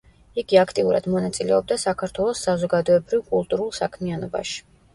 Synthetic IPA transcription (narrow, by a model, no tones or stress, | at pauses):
iɡiakʰt̪ʼiuɾa̰d̪̥mɔnat̪sʼilɛ̰ɔb̚d̪asakʰaɾt̪ʰwɛlˠɔsːazɔɡad̪ɔɛbɾivkʼulˠt̪ʼuɾulˠsakʰmianɔba̰ʃi̥